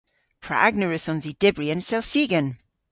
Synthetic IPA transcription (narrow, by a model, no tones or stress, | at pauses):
pʰɹ̥a̰aɡnəɹəsɔ̃nzid̥ɪbɹiə̃nsɛlˠsiɡən